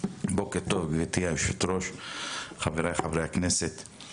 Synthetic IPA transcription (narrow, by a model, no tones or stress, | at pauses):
bokeɾt̪ovɡvit̪ijaifʃit̪ɾoʃ | χaveɾajχavɾejhakneset̪